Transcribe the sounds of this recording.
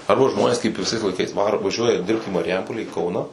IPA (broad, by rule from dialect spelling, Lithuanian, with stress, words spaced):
ɐrbɐ ˈʒmoːnʲeːs kɐɪp ʋʲɪˈsɐɪs lˠɐɪˈkɐɪs ˈʋɑːroː ʋɐˈʒʲuɔjɛ ˈdʲɪrpt iː mɐrʲɪˈjɛmpoːlʲæː iː ˈkɐʊnɑː